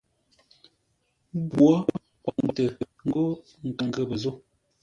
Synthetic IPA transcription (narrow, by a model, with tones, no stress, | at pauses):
bwwɔ˦ | pɔ˨m˦bə˦tə˨ | ŋ̩˦ɡo˦ | ŋ̩˨kə˨ŋɡə˦˨bə˨zo˦˨